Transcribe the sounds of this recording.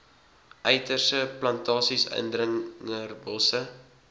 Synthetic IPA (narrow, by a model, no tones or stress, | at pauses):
ʔœjtərsəplɐntɑːsisœ̰ndrəŋərbɔlˠsə